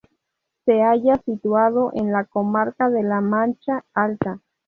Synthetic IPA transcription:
seaʝasit̪waðoʔenlakomaɾkaðelamant͡ʃaalt̪a

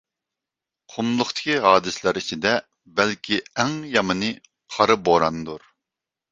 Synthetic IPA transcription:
qʰomlˠʊχt̪ʰɪ̥kʲʰiɦɑːd̪ɨslæɾit͡ʃʰid̪ɛ | bɛlkʲʰiæŋjɑmɨnɨ | qʰɑɾɨboɾɑnd̪uɾ

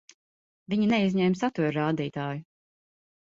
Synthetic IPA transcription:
vʲiɲinɛizʲɲɛmsat̪uɾɾaːd̪iːt̪aːju

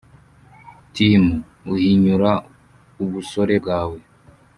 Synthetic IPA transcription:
timu | uhiɲuɾa | uβuso̞ɾe̞bɡaːwe̞

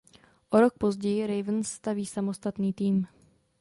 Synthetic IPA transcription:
ʔoɾok̚pozɟɛjɪɾɛjvnsːt̪aviːsamost̪at̪niːt̪iːm

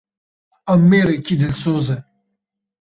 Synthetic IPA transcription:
ɐmːeːɾekʲid̪ilsoːze

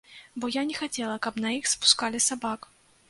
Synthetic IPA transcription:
bɔjanʲɛxat͡sʲɛlˠɐkɐpnɐixspu̥skalʲisabak

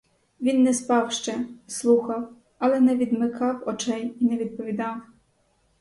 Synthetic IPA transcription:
ʋʲinːɛspɑwʃt͡ʃɛslˠuxɐw | ɐlˠɛnɛʋʲid̪mɪkʰɑwɔt͡ʃɛjinɛʋʲid̪̚pɔʋʲid̪ɑw

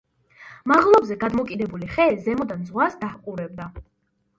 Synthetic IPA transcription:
maʁlˠɔbzɛɡad̪mɔkʼid̪ɛbuliχɛzɛmɔd̪anzʁwasd̪ahqʼuɾɛb̚d̪a

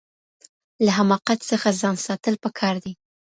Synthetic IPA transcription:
laɦamɑqat̪səxazɑnsɑt̪əlpəkʰɑɾd̪i

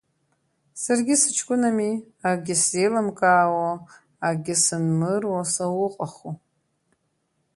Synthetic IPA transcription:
sarɡʲɪsɨt͡ʃʰkʷʼʊnami | aɡʲɪselamkʼaːwaː | ɡʲɪsɨnmɨrwasawʊqʼaχu

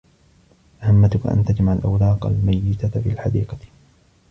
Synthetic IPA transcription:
ʔahamːat̪ʊkaʔa̰nt̪ad͡ʒmaʕalʔawlɑːqa̰lmajːɪt̪afḭːalħad̪iːqɑ

